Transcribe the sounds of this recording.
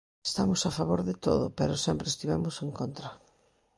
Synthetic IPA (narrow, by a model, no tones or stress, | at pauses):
e̥st̪amʊsafaβoɾðɪt̪o̰ðʊ̰peɾʊsɛmpɾest̪iβɛmʊseŋkont̪ɾɐ